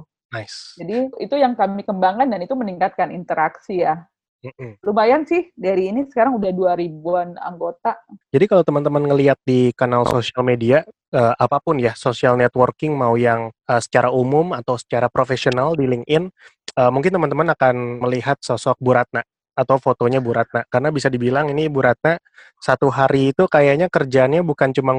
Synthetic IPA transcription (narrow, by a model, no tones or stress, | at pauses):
najsd͡ʒadiit̪ujaŋkamikəmbaŋandanit̪uməniŋkat̪̚kanint̪əɾʔaksija | m̩m̩lumajansɪhdaɾiːnisə̥kaɾaŋudahduaɾibuana̰ŋɡot̪ad͡ʒadikalawt̪əmant̪əmənŋəliat̪̚dikanalsosialmedia | əʔapapʊnjasosialnɛt̪wərkɪŋmaujaŋəsə̥t͡ʃaɾaumʊmat̪awsə̥t͡ʃaɾapɾofesionaldilɪŋɪn | əmuŋkɪnt̪əmant̪əmanakanməliɦat̪̚səsɔk̚buɾat̪̚naː | t̪awfot̪oɲabuɾat̪̚nakarnabisadibilaŋinibuɾat̪̚na | sat̪uɦaɾiːt̪ukajaɲakərd͡ʒaːnɲabukant͡ʃuma